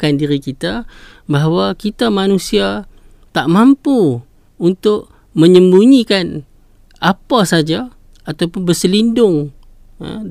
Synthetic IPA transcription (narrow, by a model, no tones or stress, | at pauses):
kandiɾikit̪a | baɦawakit̪amanusia | t̪aʔmampu | unt̪ʊʔ | mə̃ɲəmbuɲikan | apasad͡ʒa | at̪awpʊnbəsəlindʊŋ̰